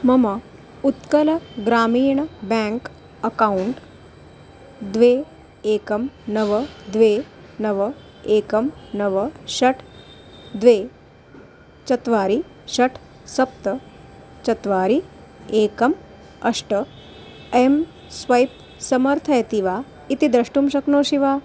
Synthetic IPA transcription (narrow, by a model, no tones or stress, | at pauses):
mɐmɐ | ut̪kəlɡɾaːmiːɳ̃bɛ̃ŋk | əkauɳʈ | d̪ʋe | eːkɐmnəʋəd̪ʋe | nɐʋə | eːkɐmnəʋəɕɐʈʰ | d̪ʋe | t͡ʃɐt̪ʋaːɾi | ʃɐʈʰ | sɐp̚t̪ə | t͡ʃɐt̪ʋaːɾi | eːkɐm | ɐʂʈə | em | sʋɐjp | sɐmɐɾt̪ʰɐjɐt̪iʋaː | it̪id̪ɾɐʂʈumʃɐknoːʃiʋaː